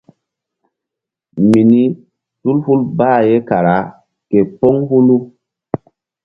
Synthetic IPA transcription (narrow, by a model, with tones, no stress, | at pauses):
mi˨ni˦ | tu˦lhu˦lbaː˦˨je˦ka˨ɾa˨˦ | ke˨pɔ˦ŋhu˦lu˦